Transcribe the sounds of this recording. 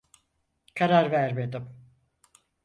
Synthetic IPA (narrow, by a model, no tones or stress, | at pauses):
kʰaɾaɾvæɾme̞d̪ɪm